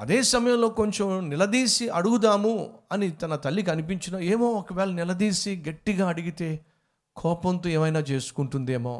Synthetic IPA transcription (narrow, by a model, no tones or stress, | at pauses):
ɐ̰d̪eːsɐmɐjɐmlo̞ːko̞ɲt͡ʃomnilɐd̪iːsiɐɽuɡud̪aːmuɐnit̪ɐnɐt̪ɐlːik̬ɐnip̬iɲt͡ʃinɐeːmoːɔkɐʋɛːlɐnilɐd̪iːsiɡɐʈːiɡaːɐɽiɡit̪e̞ː | kʰɔːpɐnt̪oːeːmɐjnaːt͡ʃe̞ːsu̥kuɳʈund̪eːmo̰ː